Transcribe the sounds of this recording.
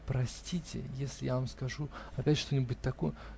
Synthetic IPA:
pɾɐsʲtʲitʲɪ̰jesʲlʲɪjavamskɐʐuɐpʲætʲʂt̪o̞nʲɪbʊt̚ʲt̪ɐkojə

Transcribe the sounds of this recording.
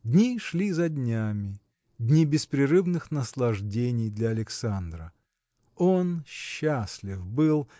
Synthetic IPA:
dʲnʲiʂlʲizɐdʲnʲamʲɪ | dʲnʲibʲɪspɾʲɪɾɨvnɨxnəslˠɐʐdʲenʲɪjd̪lʲɐɐlʲɪksand̪ɾə | onɕːasʲlʲɪfbɨlˠ

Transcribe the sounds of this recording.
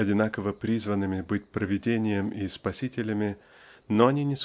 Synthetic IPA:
ɐdʲɪnakəvəpɾʲizvənːɨmʲɪbɨtʲpɾəvʲɪdʲenʲɪjəmɪspɐsʲitʲɪlʲəmʲɪ | noɐnʲinʲɪs

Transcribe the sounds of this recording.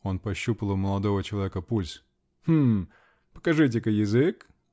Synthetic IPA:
o̞npɐɕːupəlˠəməlˠɐd̪o̞vət͡ɕɪlˠɐvʲekəpulʲs | h̩ | pə̥kɐʐɨt̬ʲekəjɪzɨk

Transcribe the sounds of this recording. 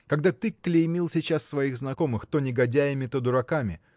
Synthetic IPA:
kɐɡd̪at̪ɨkːlʲɪjmʲilˠsʲɪt͡ɕassvɐiɣznɐko̞mɨxt̪onʲɪɡɐdʲæjɪmʲɪt̪od̪ʊɾɐkamʲɪ̰

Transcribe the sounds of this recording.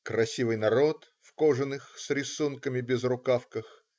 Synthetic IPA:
kɾɐsʲivɨjnɐɾo̞t̪ | fkoʐɨnɨxsɾʲɪsunkəmʲɪbʲɪzrʊkafkəx

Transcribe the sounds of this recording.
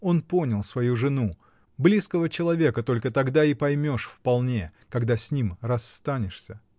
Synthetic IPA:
o̞npo̞nʲəlˠsvɐjuʐɨnu | blʲiskəvət͡ɕɪlˠɐvʲe̞kət̪o̞lʲkət̪ɐɡd̪aipɐjmʲo̞ʂfpɐlˠnʲe̞kɐɡd̪asʲnʲimrɐst̪anʲɪʂsʲə

